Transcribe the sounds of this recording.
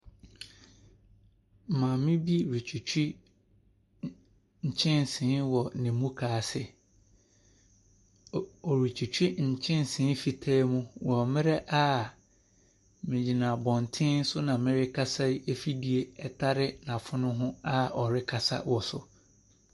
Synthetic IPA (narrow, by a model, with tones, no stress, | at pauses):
m̩˨mãː˨mɪ̃˦bi˦ɾi˨t͡ɕʰu˨t͡ɕʰᶣi˦ | ɲ̩˨t͡ɕʰɪ̃˦n˨sɪ̃˨˦wɔ˨nɪ̃˨mũ˦kʰaː˨sɪ˦ | ɔ˨ɾi˨t͡ɕʰᶣu˨t͡ɕʰᶣi˦ɲ̩˨t͡ɕʰɪ̃˦n˨sɪ̃˨˦fi˨tʰaː˦mũ˦wɔ˨mɪ̃˦ɾɛ˦ʔa˦ | mɪ̃˨d͡ʑi˨nã˨bɔ̃˨ntʰɪ̃˦n̩˦sʊ˦nã˨mɪ̃˦ɾɪ˦kʰa˦sa˦e˦fi˦di˨e˨ɛ˦tʰa˦ɾɪ˦nã˨fʊ˦nʊ̃˦ɦʊ̃˦a˦ɔ˨ɾɪ˦kʰa˦sa̰˦wɔ˨sʊ˨